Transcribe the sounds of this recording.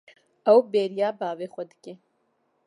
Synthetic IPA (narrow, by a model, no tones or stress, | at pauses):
ɐwbeːɾijaːbaːveːxʷɐd̪ɨ̥ke